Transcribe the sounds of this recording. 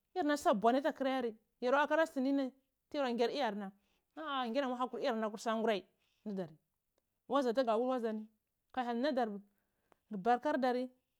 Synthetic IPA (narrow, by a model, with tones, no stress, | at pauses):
a˦ɾna˦sa˦˨bʷa˨ni˦ta˦ki˦ɾa˦ja˦ɾi˨ | ja˨ɾa˦ka˦ɾa˦sti˨ni˦na˦ | tɾa˨ŋ˦ɡe˦ɾi˦ja˨ɾna˨ | a˦˨ŋɡe˦na˨ma˦a˦ku˨ɾi˦a˨ɾna˨ku˨ɾsa˦ŋɡu˦ɾa˦i˨ | na˦da˨ɾi˨ | wa˦za˨t̬a˦ɡa˨wu˦lwa˦za˨ni˦ | ka˨a˨lna˦da˨ɾ | ɡi˨ba˨ɾka˦ɾda˨ɾi˦